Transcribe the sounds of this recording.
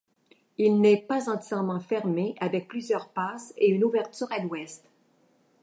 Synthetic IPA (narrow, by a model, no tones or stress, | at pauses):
ilnɛpazɑ̃t̪ʲjɛʁmɑ̃fɛʁmeʔavɛk̚plyzjœʁpaseynuvɛʁt̪yːʁalwɛst̪